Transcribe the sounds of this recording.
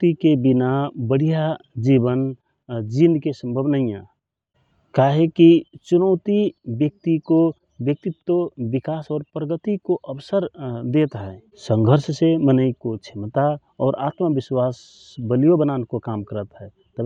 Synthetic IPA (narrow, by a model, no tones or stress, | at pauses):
t̪ikebɪnabəɽ̤ijad͡ʒibən | d͡ʒinkesə̃mbʱəbnəɦĩã | kaːɦekit͡ʃʊnəʊt̪ibjək̚t̪iko | bjək̚t̪ɪt̪ːəbɪkaːsɔːɾpɾəɡət̪ikoʔəbsəɾd̪eːt̪ɦɛː | sə̃ŋɡʱəɾssemənəikot͡ʃʰɪmt̪a | ɔːɾʔa̰ːt̪məbɪswaːs | bəlijobənaːnekokaːmkəɾət̪ɦɛː | t̪əb